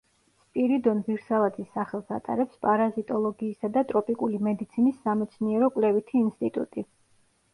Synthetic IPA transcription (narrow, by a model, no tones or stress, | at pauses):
spʼiɾid̪ɔnviɾsalˠat̪ʰisːaχɛlˠsa̰t̪ʼa̰ɾɛpspʼaɾazit̪ʼɔlˠɔɡiːsad̪at̪ʼɾɔpʼikʼulimɛd̪it̪sʰinisːamɛt̪sʰniɛɾɔkʼwlɛvit̪ʰiːnst̪ʼit̪ʼṵt̪ʼi